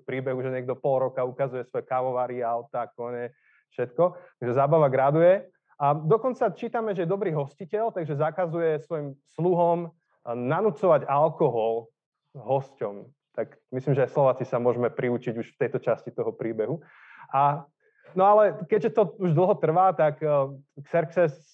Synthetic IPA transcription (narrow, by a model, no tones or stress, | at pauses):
pɾiːbɛɦuʒɛɲɪɛɡ̚d̪ɔpɔlɾɔkaukazujɛsʋɔjɛkaʋɔʋaːɾiaʊt̪aːkɔɲɛ | fʃɛt̪kɔt̪aɡʒɛzaːbaʋaɡɾad̪ujɛ | ʔad̪ɔkɔnt͡sat͡ʃiːt̪amɛʒɛjɛd̪ɔbɾiːɦɔscicɛlt̪aɡʒɛzakazujɛsʋɔjimsluɦɔm | nanut͡sɔʋaɟalkɔɦɔl | ɦɔscɔm | t̪ak | misliːmʒɛajslɔʋaːt͡sisamʊɔʒmɛpɾiut͡ʃiɟuʃft̪ɛjt̪ɔt͡ʃascit̪ɔɦɔpɾiːbɛɦu | ʔa | nɔalɛkɛɟʒɛt̪ɔuʒd̪l̩ˠɦɔt̪r̩ʋaːt̪akksɛɾksɛs